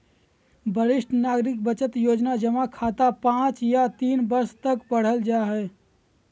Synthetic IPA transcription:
bʱəɾɪʃʈnaːɡɾɪkbət͡ʃət̪joːd͡ʒnad͡ʒəmakʰat̪apãːt͡ʃjat̪iːnbəɾst̪əkpəɽ̤əld͡ʒaɦɛ

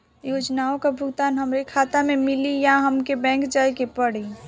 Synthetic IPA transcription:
jod͡ʒnaõkabʱʊɡt̪aːnɦəmɾekʰat̪amemɪlijaɦəmkebɛ̃ːŋkd͡ʒaːjkepəɽ̤i

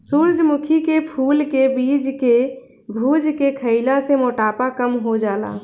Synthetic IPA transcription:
suɾd͡ʒmukʰikepʰulkebid͡ʒke | bʱud͡ʒkekʰəɪlasemoʈapakəmɦod͡ʒaːla̰

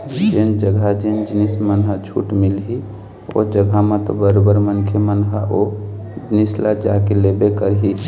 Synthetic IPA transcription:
d͡ʒend͡ʒəɡʱad͡ʒend͡ʒnismənɦət͡ʃʰṵʈmilɦi | o̰d͡ʒəɡʱamẽt̪ɔbəɾobəɾmənkʰemənɦəʔo | d͡ʒnislad͡ʒakelebekəɾɦi

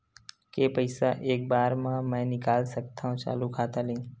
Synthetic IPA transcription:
kepəɪsaʔeːk̚baːɾmãmɛ̃ːnɪkaːlsək̚t̪aɦũt͡ʃa̰ːlukʰaːt̪alẽː

